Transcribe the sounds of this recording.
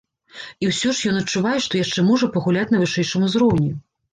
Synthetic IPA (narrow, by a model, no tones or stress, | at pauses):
iwsʲɔʂjɔnɐt͡ʂːuvajɛʂt̪ɔjaʂt͡ʂɛmɔʐɐpɐɣulʲat͡sʲnɐvɨʂɛjʂɨmuzɾɔwnʲi